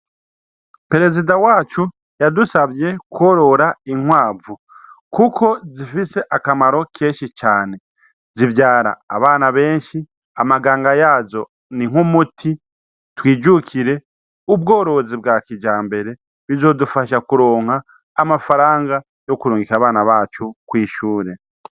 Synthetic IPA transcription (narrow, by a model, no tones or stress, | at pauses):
pe̞ɾe̞zidawaːt͡ʃu | jadusaβje̞kwo̞ɾo̞ɾaiŋ̥waːvu | kukʰo̞zifise̞ʔakamaɾo̞kʰeːnʃit͡ʃaːne̞ | zivjaːɾa̰ːβaːnaβe̞ːnʃi | amaɡaːŋɡajaːzo̞ | niŋ̥humutʰi | twiːd͡ʒukʰiɾe̞ | ub̚ɡo̞ːɾo̞zib̚ɡaːkid͡ʒaːmbe̞ɾe̞ | βizo̞ːdufaʃakuɾo̞ːŋ̥aː | mafaɾaːŋɡa | jo̞kuɾuːŋɡikaβaːnaβaːt͡ʃukwiːʃuːɾe̞